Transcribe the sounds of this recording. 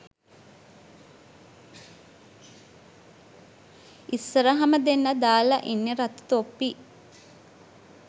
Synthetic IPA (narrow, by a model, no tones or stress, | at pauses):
isːəɾəɦɐməd̪enːɐd̪aːlaʔinːeɾat̪u̥t̪opːi